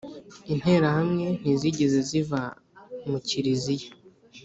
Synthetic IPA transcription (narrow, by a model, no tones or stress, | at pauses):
in̥e̞ɾahamŋe̞n̥iziɟezeziva | muciɾizije